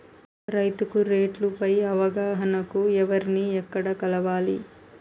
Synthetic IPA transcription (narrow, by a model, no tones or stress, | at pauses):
ɾɐjt̪ukuɾeːʈlupɐjɐʋɐɡaːɦɐnɐkuɛʋɐɾiniɛkːɐɽɐkɐlɐʋaːlḭ